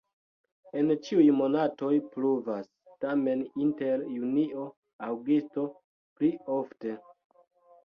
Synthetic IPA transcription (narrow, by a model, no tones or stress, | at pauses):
e̞nt͡ʃiujmo̞nato̞jpluvas | tame̞ninte̞ɾjunio̞ | awɡisto̞ | plio̞fte̞